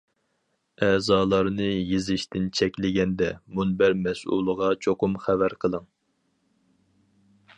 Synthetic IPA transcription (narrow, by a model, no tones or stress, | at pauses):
ɛːzɑːlˠɑɾnɨjezɪʃt̪ɪnt͡ʃʰɛkʲlɪɡʲɛnd̪ɛmunbæɾmɛsṵlˠəʁɑt͡ʃʰoqʊmχævæɾqʰəlˠɨŋ